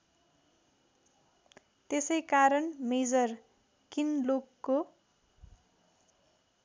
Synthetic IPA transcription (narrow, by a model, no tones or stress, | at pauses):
t̪esʌjkaɾʌnmed͡zʌr | kinlokːo